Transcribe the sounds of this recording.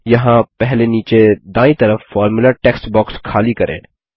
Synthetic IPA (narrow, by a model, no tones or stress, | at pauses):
jɐɦãpɛɦleniːt͡ʃed̪ãːĩt̪ɐɾəfːɔːɾmʊlaʈeːksʈbɔːkskʰaːlikɐɾʔḛ̃ː